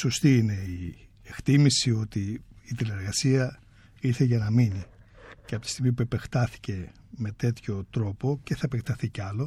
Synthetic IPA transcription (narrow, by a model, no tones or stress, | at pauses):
so̞st̪iine̞i | ekt̪imisio̞t̪iːt̪ile̞ɾɣɐsiɐ | iɾθe̞ʝɐnɐmini | ceɐpot̪i̥st̪iɣmipue̞pe̞xt̪ɐθi̥ce̞ | me̞t̪e̞t̪ço̞t̪ɾo̞po̞ce̞θɐepe̞kt̪ɐθiceɐlo̞